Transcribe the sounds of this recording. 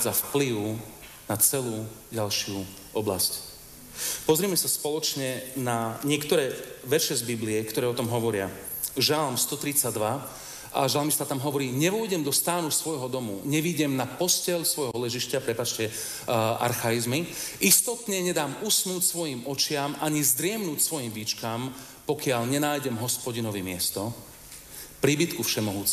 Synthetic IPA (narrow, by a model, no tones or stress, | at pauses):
d͡zafpliwʊ | nat͡sɛluːɟalʃɪu | ɔbla̰sc | pɔzɾimɛsaspɔlɔt͡ʃɲɛnaɲɪɛkt̪ɔɾɛːʋɛʃɛzbibliɛkt̪ɔɾɛːɔt̪ɔmɦɔʋɔɾɪa̰ | ʒalmst̪ɔt̪ɾit͡sad̪ʋa | ʔa̰ʒalmist̪at̪amɦɔʋɔɾiːɲɛʋɔjɟɛmd̪ɔst̪aːnusʋɔjɦɔd̪ɔmṵɲɛʋiɟɛmnapɔscɛlsʋɔjɦɔlɛʒiʃcapɾɛpat͡ʃcɛ | ʔa̰ɾxajizmiʔist̪ɔt̪ɲɛɲɛd̪aːmusnuːcsʋɔjimɔt͡ʃɪamʔaɲizd̪ɾɪɛmnuːcsʋɔjimʋit͡ʃkam | pɔkɪaʎɲɛnaːjɟɛmɦɔspɔɟinɔʋimɪɛst̪ɔ | pɾibit̪kufʃɛmɔɦuːt͡sɛ